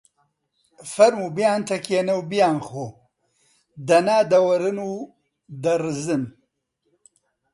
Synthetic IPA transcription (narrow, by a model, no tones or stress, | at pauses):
fɐɾmubjaːnt̪ɐkenɐwbjaːnxo | d̪ɐnaːd̪ɐwɐɾɨnu | d̪ɐɾzɨn